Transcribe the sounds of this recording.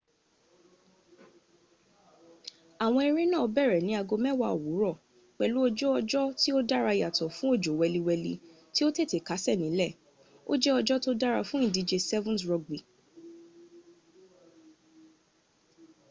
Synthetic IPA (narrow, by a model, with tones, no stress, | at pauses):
a˨w̃ɔ̃˧e˧ɾĩ˦nãː˦˨˧bɛ˦˨ɾɛ˨nĩ˨˦a˧ɡo˧mɛ˦˨wa˧o˨wu˨˦ɾɔ˦˨ | k͡pɛ˨lu˨˦ɔ˧d͡ʒɔ˦ɔ˧d͡ʒɔ˦ti˦o˦da˦ɾa˧i˨ja˨tɔ˨fũ˨˦o˦˨d͡ʒo˨wɛ˧li˧wɛ˧lḭ˧ | ti˦o˦te˦˨te˨ka˨˦sɛ˦˨nĩ˨˦lɛ˦˨ | o˦d͡ʒɛ˦ɔ˧d͡ʒɔ˦to˦da˦ɾa˧fũ˦ĩ˦˨di˧d͡ʒe˧sɛ˦vũ˦sɾɔ˧ɡ̚ɡ͡bi˨